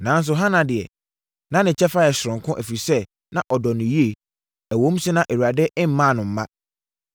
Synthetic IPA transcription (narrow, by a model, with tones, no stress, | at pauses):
nã˨˦n˦s̬ʊ˨ɦã˦nã˨dɪ˨ɛ̰˨ | nã˦nɪ̃˨t͡ɕʰɛ˦fa˦jɛ˨ɕɾʊ̃˨ŋ˨kʰʊ̃˦ʔæ˨fi˨sɛ˦ | nã˨ʔɔ˨dɔ˨nʊ̃˨ji˦e˨ | æ˨wõ˦m̩˦sɪ˦nã˦˨ʔe˨wu˨ɾa˨dɛ˦ʔɪ̃˦m̩˦mã˦˨nʊ̃˨m̩˦mã̰˦